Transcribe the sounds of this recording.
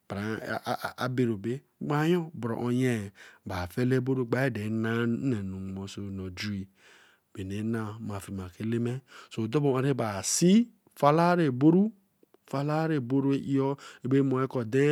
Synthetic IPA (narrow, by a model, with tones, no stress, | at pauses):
ba˨a˨be˨ɾo˨be˦ɡ͡ba˦jo˦bɾo̰˨ʔo˨je˦˨ba˨fe˦le˦bo˦ɾu˦˨ɡ͡ba˦e˦de˨˦na˦ne˨nu˨ŋ˨mo˨so˨no˨d͡ʒi˨ | be˨ne˨˦na˨ma˨fi˨ma˨ke˨˦le˦me˦so˨do˦bo˨a˨ɾe˦ba˨si˦ | fa˦la˦ɾe˨bo˦ɾu˦ | fa˦la˦ɾe˨bo˦ɾu˦e˦ʔi˦ɔ˦e˦be˦mo˨e˦kɔ˨de˦